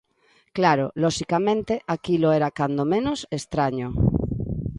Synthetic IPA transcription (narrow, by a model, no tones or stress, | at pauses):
klaɾoloʃikamẽnt̪eʔakiloeɾakand̪omẽnosest̪ɾaɲo